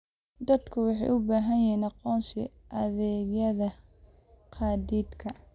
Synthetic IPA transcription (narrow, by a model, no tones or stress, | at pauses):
d̪ɐd̪kʰʊwɑħɑ̰jʔʊbaːɦɐnjɪinɑqɔːnsɪ̰ʔɐðɛːɣjɐðɐ | qʰɑːd̪iːd̪kʰɐ